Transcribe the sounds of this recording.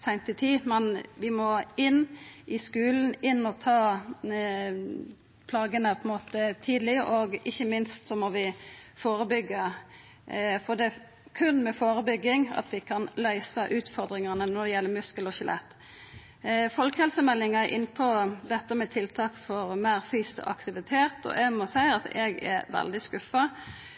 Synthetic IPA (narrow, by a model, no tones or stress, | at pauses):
sæɪnt̪ɪt̪ʰiːmɛnʋɪmɔɪnːʔɪskʉːln̩ɪnːɔt̪ʰɑː | pʰlɑːɡənəpʰɔɛnmoːt̪ət̪ʰiːd̪lɪəʔɔɡɪçːəmɪnst̪sɔmɔʋɪfoːɾəbʏɡːɑ | fɔd̪ɛ | kʰʉnmɛfoːɾəbʏɡːɪŋɑ̰t̪ʋɪkʰɑnlœʏsəʔʉːt̪fɔɾd̪ɾɪŋɑnənɔd̪ɛjɛlːəɾmʉskəlɔɕɛlʔɛ̰t̪ː | fɔlkhɛlsəmɛlːɪŋɑʔɪ̰nːpʰɔd̪ɛt̪ːəmɛt̪ʰɪlt̪ʰɑːkfɔɾmæɪɾfyːst̪ɔ̰ʔɑ̰kt̪ɪʋɪt̪ʰeːt̪ɔ̰ʔɛɡmɔsæɪɑt̪ɛ̰ɡɛ̰ʋɛ̰ld̪ɪskʉfːɑ